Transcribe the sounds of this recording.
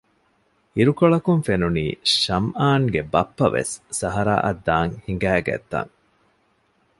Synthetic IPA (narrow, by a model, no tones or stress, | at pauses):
iɾukoɭɐkunfenuniːʃɐmʔaːŋɡebɐpːɐʋʔḛsːɐɦɐɾa̰ːʔɐd̪ːaːŋhiŋ̆ɡæːɡæ̰t̪ːa̰ŋ